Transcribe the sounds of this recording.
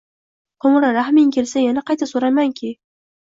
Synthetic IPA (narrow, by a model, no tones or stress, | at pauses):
qʰomɾaɾahmiŋkʲʰelsajanaqʰɑjt̪ʰasoɾajmaŋkʲʰe